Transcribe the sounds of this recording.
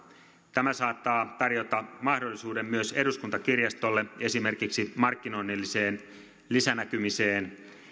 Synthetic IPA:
t̪æmæsɑːt̪ːɑːt̪ɑrjo̞t̪ɑmɑhdolːisuːde̞mːyøse̞duskunt̪ɑkirjɑst̪olːe̞e̞sime̞rkiksimɑrkːino̞inːelːise̞ːn | lisænækymise̞ːn

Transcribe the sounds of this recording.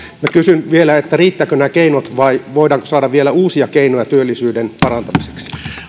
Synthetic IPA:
mækysynʋielæet̪ːæriːt̪ːæːkønæːkeinot̪ʋɑiʋoidɑːŋko̥sɑːdɑʋʋielæuːsiɑkeinojɑt̪yølːisyːdenpɑrɑnt̪ɑmise̥ksi̥

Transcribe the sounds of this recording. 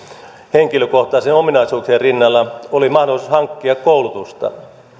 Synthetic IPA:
heŋkiløkoht̪ɑːsenominɑisuːkserinːɑlːɑolimɑhdolːˑisushɑŋkːiɑkkoulut̪ust̪ɑ̰

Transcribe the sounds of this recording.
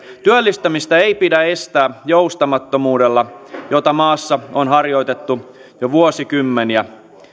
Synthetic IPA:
t̪yølːist̪æmist̪ɑeipidæest̪æːjoust̪ɑmɑt̪ːomuːdelːɑjot̪ɑmɑːsːɑonɦɑrjo̞it̪et̪ːu | joʋuosikymːeniæ

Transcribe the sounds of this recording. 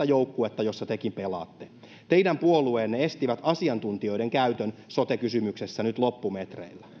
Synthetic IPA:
æjowkːuet̪ːɑjo̞sːɑt̪ekimpelɑ̰ːt̪ːe | t̪e̞idæmpuolueːnːeest̪iʋæt̪ɑsiɑnt̪unt̪io̞ideŋkæyt̪ønsot̪ekysymyksesːænyt̪lo̞pːumet̪rḛilːæ

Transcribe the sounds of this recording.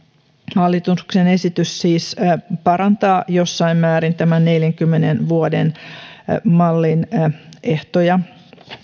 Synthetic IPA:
hɑlːit̪unuksene̞sit̪yssiːspɑɾɑnt̪ɑːjo̞sːɑimmæːɾint̪æmænne̞ljæŋkymːenenʋuoden | mɑlːine̞ht̪ojɑ

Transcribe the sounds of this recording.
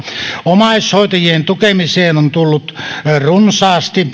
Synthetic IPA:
omɑˑishoˑit̪ɑjient̪ukemiseːnont̪ulːut̪runsɑːst̪i

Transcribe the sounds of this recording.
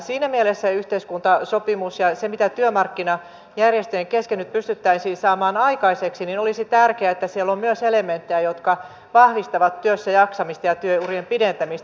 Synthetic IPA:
siːnæmielesːæyht̪eiskunt̪ɑsopimusjɑsemit̪æt̪yømɑrkːinɑ | jærjest̪øeŋkeskenːyt̪̚pyst̪yt̪ːæisiːsɑːmɑːnɑikɑiseksininolisit̪ærkeæet̪ːæsielːommyøselement̪ːejæjot̪kɑ | ʋɑhʋist̪ɑʋɑt̪ːyøsːæjɑksɑmist̪ɑjɑt̪yøurjempident̪æmist̪

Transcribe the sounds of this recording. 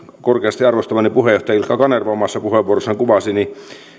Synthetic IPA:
korkeɑst̪iɑrʋost̪ɑʋɑnipuɦejoht̪ɑjilkɑkɑnerʋɑomɑsːɑpuheʋuorosːeŋkuʋɑsini

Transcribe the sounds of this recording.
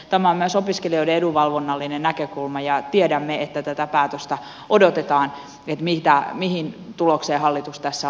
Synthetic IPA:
t̪æmæommyøsopiskelioiɾeeduʋɑlʋonːɑlːinennækøkulmɑjɑt̪iedæmːeet̪ːæt̪æt̪æpæːt̪øst̪æ | odot̪et̪ɑːn | et̪mit̪æmihint̪ulokseːhɑlːit̪ust̪æsːæ

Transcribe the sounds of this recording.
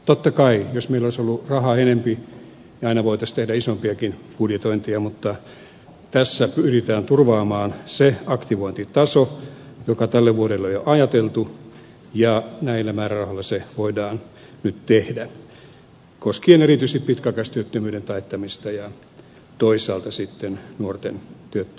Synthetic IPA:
t̪ot̪ːɑkɑijosmeilːˑoˑisolːurɑhɑenempi | jɑɑinɑʋoit̪ɑst̪ehdæisompiɑkinpudjet̪oint̪iɑmut̪ːɑ | t̪æsːæpyrit̪æːnt̪urʋɑːmɑːnseɑkt̪iʋoint̪it̪ɑsojokɑt̪ælːeʋuoɾelːojoʔɑjɑt̪elt̪u | jɑnæilːæmæːrærɑholːɑseʋoidɑːn | nyt̪t̪ehdæ | koskienerit̪yist̪ippit̪kækɑst̪yøt̪ːømyːɾent̪ɑet̪ːɑmist̪ɑjɑ | t̪oisɑːlt̪ɑsit̪ːennuort̪ent̪yøt̪ːø

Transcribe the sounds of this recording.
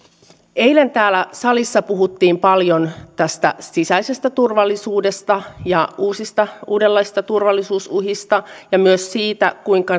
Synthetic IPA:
ejle̞nt̪æːlæsɑlisːɑpuɦut̪ːiːmpɑljont̪æst̪æ̰sisæise̞st̪æt̪urʋɑlːisuːdest̪ɑjɑuːsist̪ɑuːdelːɑjsi̥st̪ɑt̪urʋɑlːisuːsuɦist̪ɑjɑmyøssiːt̪æ̰kuiŋkɑ

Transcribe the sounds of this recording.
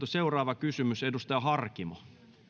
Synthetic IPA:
t̪useurɑːʋɑkysymysedust̪ɑjɑhɑrkimɑ

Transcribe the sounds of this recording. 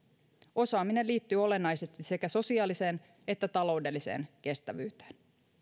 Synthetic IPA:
o̞sɑːmine̞lːiːt̪ːyːo̞le̞nːɑjse̞st̪ise̞kæso̞siɑːlise̞ːn | e̞t̪ːæt̪ɑlo̞wde̞lːise̞̰ːnke̞st̪æʋyːt̪e̥ːn

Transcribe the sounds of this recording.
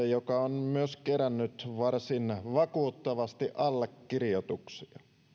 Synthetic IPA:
ejokɑonmyøskeɾænːyt̪ʋɑrsinʋɑkuːt̪ːɑʋɑst̪iʔɑlːekːirijot̪uksiɑ

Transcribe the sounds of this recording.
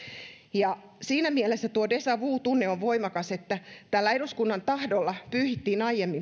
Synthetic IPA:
jɑsiːnæmielesːæt̪uodesɑʋuːt̪unːeoʋʋoimɑkɑset̪ːæt̪ælːæeɾuskunːɑnt̪ɑhdolːɑpyːhit̪ːiːnɑijemːi

